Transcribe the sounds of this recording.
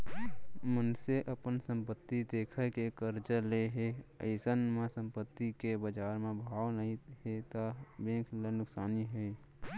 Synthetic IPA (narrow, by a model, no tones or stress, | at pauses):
mənseʔəpənsə̃mpət̪ːid̪eːkʰəkekəɾd͡ʒəleɦeə̰ɪsənmẽsə̃mpət̪ːikebəd͡ʒaːɾmẽbʱaːʋnəɦĩɦet̪abẽːkʰlenʊksaːniɦɛː